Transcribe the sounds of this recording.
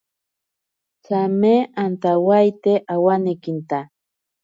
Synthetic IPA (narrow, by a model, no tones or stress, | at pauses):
t͡sameant̪awajt̪eʔawanekint̪a